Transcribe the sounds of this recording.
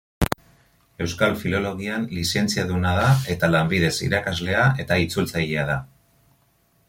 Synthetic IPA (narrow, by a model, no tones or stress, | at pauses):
e̞wskalfilo̞lo̞ɣianlise̞nt͡siaðunaðae̞t̪alambiðe̞sḭɾakazle̞ae̞t̪ait͡sult͡saʎeað̞a